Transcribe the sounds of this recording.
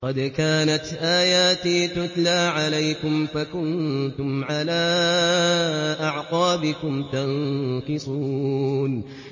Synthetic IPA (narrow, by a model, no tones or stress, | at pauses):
qɑd̪kaːnat̪ʔaːjaːt̪iːt̪ʊt̪laːʕalajkʊmfakʊnt̪ʊmʕalaː | ʔaʕqɑːbɪkʊmt̪anqɨsˤuːn